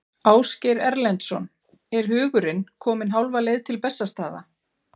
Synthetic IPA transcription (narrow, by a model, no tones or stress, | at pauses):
aːwscɛɾɛɾlɛnt̪sɔ̰n | ɛɾ̥ɦʏːɣʏɾɪnkʰɔːmɪnɦawlvalejðt̪ʰɪlpɛsːast̪aːða̰